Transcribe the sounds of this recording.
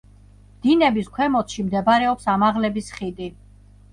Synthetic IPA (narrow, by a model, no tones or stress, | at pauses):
md̪̥inɛbiskʰwɛmɔt̪ʃimd̪ɛbaɾɛɔpsamaʁlɛbisχid̪i